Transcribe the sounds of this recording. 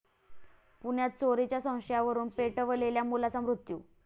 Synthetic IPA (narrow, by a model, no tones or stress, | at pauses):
puɳjat̪̚t͡soɾit͡ɕjasə̃w̃ɕəjaʋəɾuːnpeʈəʋəleljamulat͡samɾut̪jṵː